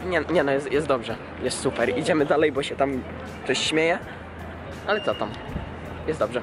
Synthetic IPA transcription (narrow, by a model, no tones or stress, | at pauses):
ɲɛɲɛnɔjɛst̪jɛst̪d̪ɔbʐɛ | jɛst̪supɛɾid͡ʑɛmɘd̪alɛjbɔɕɛt̪am | t̪ɔɕɕmʲejɛ | ʔalɛt̪sɔt̪am | jɛsd̪ɔbʐɛ